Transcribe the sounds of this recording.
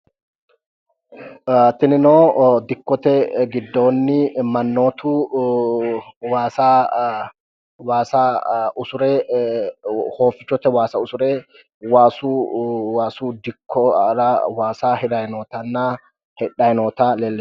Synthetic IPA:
t̪ːɪnɪnoːd̪ɪkːɔt̪ɛɡɪd̪ːo̞ːnːɪmɐnːo̞ːt̪uː | waːsa | waːsaːʊsʊɾɛː | ho̞ːfːɪt͡ʃːɔt̪ɛwaːsɐʊsʊɾeː | waːsuːwaːsuːd̪ɪkʰːɔɾɐwaːsaːhɪd̪ɐjnoːt̪ɐnːa | hɛᶑɐjnoːt̪aːleːlːɪ

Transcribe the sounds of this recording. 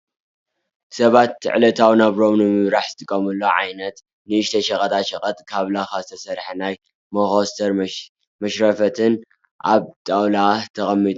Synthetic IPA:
sɐβat̪ːɨ̰ʕlɐt̪ʰawnaβɾo̞mnɨmɨβɾaħz̥ɨt̪ʰɨkʼːɐmɨlːoʕajnɐt̪ | nɨɨʃt̪ʰɐʃɐkʼɐt̪ʼaʃɐkʼɐt̪ʼkʰaβlaxazɨt̪ʰɐsɐɾħanaj | mɐxost̪ʰɐɾ | mɐʃɾɐfɐt̪ʰɨn | ʔaβt̪ʼawlat̪ʰɐɣʼɐmːit̪ʼu

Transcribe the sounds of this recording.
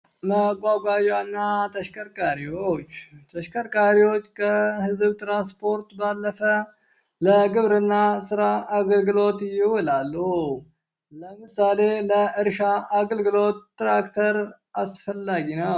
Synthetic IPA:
məɡʷʼaɡʷajanːat̪ʰəʃkʰʼəɾkʼaɾiwot͡ʃːt̪ʰəʃkʼəɾkʼaɾiwo̞t͡ʃːkʰəhɨzβt̪ɾanspʰo̞ɾt̪balːəfə | ləɡɨβɾɨnːasɨɾaːɡəlɡɨlo̞t̪jɪwɔlalːu | ləmɨsale̞ləʔɨɾʃaaɡəlɡɨlo̞t̪ːɾakt̪ʰəɾ | asfəlːaɡinə

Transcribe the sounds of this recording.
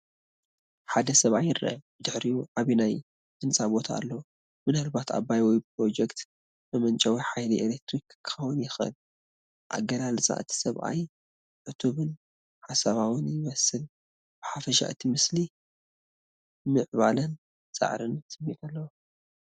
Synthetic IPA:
ħad̪ɐsɐβʔajɨɾɐ̰bɨd̪ɨħɾijuʕaβinaj | d̪ɨnt͡sʼabo̞t̪ʰa̰ːlːɐwu | mɨnalbat̪ʰa̰bajwijp̚ʰɾo̞d͡ʒɛkt̪ | bɐmɐnt͡ʃʼɐwijħajliʔelek̚t̪ɾikːʰɐwɨnjɪxɨ̰l | ʔa̰ɡɐlalsʼa̰ʔɨt̪ʰi̥sɐβʔa̰j | ʕɨt̪ʰuβɨn | ħasaβawɨnjɪmɐsɨl | b̥ɨħafɐʃa̰ʔɨt̪ʰimɨsli | mɨʕβalɐn | t͡sʼa̰ʕɾɨntɨmilalːɐwu

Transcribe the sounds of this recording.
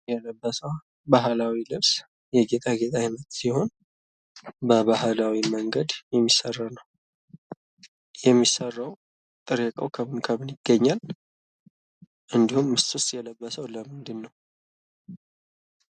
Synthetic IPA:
jɛləbːəsəw | baɦlawilɨβs | jɛɡe̞t̪ʼaɡe̞t̪ʼaɪnət̪siho̞n | bəβaɦlawiməŋɡəd̪jɛmːisərːanəw | jɛmːisərːəw | t̪ʼɨɾjəkʼəwkʰəmɨnkʰəmɨnjɪɡ̥ːəɲːal | ʔɨnd̪ihumːɨst̪ʼust̪ʼjɛləbːəsəwləmɨnd̪ɨnːəw

